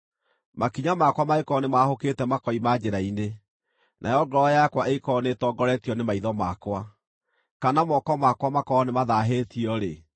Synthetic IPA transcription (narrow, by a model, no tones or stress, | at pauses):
makiɲamakwamaekɔnemahoketɛmakɔimad͡ʑeɾaine | nʔa̰jɔɡɔɾɔjakwaʔekɔnetɔːɡɔɾɛtiɔnemaiðɔmakwa | kanamɔkɔmakwamakɔːnemaðaɦetiɔɾe